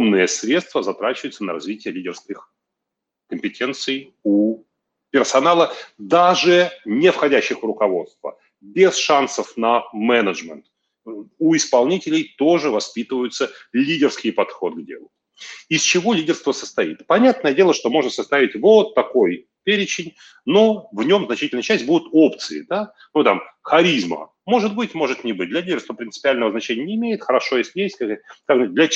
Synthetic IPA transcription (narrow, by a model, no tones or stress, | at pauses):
omnɨjəsɾʲe̞t̪st̪vəzɐt̪ɾat͡ɕɪvəjt̪sənəɾɐzvʲitʲɪjəlʲidʲɪrskʲɪx | kəmʲpʲɪtʲe̞nt̪sɨj | u | pʲɪrsɐnalˠəd̪aʐɨnʲɪfxɐdʲæɕːɪxvrʊkɐvo̞t̪st̪və̰ | bʲesʂansəfnəmɛnəʐmʲɛnt̪ | uɪspɐlˠnʲitʲɪlʲɪjt̪o̞ʐɨvɐspʲit̪ɨvəjʊt̪səlʲidʲɪrskʲɪjpɐt̪xo̞d̪̚ɡdʲḛlˠʊ | ɪsʲt͡ɕɪvo̞lʲidʲɪrst̪vəsəst̪ɐḭt̪pɐnʲat̪nəjədʲelˠəʂt̪o̞mo̞ʐnəsɐst̪avʲɪtʲvot̪ːɐko̞j | pʲeɾʲɪt͡ɕɪnʲ | no̞vnʲo̞mznɐt͡ɕitʲɪlʲnəjət͡ɕæsʲtʲbud̪ʊt̪o̞pt̪sɨɪ̰d̪a | nut̪amxɐɾʲizmə̰ | mo̞ʐɨt̪̚bɨtʲmo̞ʐɨt̪nʲɪbɨt̚ʲd̪lʲɐlʲidʲɪrst̪vəpɾʲɪnt̪ɨ̥pʲɪalʲnəvəznɐt͡ɕenʲɪjənʲɪɪmʲejɪt̪xəɾɐʂo̞jesʲlʲjesʲtʲkkakʐɨt̚ʲd̪lʲɐ